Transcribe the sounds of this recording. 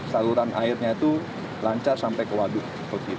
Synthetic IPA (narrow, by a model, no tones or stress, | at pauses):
saluɾanʔa̰ɪrɲait̪u | laɲt͡ʃarsampɛjkəwaɡʊʔ | kot̪i